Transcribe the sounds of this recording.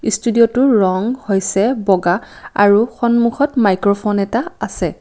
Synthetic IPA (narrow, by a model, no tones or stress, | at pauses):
istudiɔtʊɹɔŋhojsɛbɔɡa | a̰ɹuxɔnmuxɔtmajkɹɔpʰonɛtaasɛ